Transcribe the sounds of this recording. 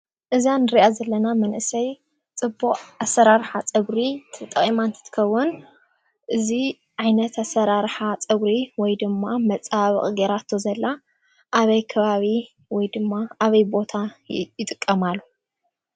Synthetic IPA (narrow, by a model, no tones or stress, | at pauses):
ʔɨzanɨɾiʔazɐlːɐnamɐnʔɨsɐj | t͡sʼɨbːuχʼasːɐɾaɾħat͡sʼɨβɾit̪ʰɐt̪ʼːɐχʼimant̪ʰɐ̥t̪ʰɨ̥kʰɐwːʊn | ʔɨzi | ʕajnɐt̪ʰasɐɾaɾħat͡sʼɨβɾiwɔjd̪ɨmːamɐt͡sʼːaβɨχʼɡeɾat̪ʰːozɐlːa | ʔaβɐjkʰɐβaβi | wɔjd̪ɨmːaaβɐjbo̞t̪ʰajɪt̪ʼɨkʼːɐmalːu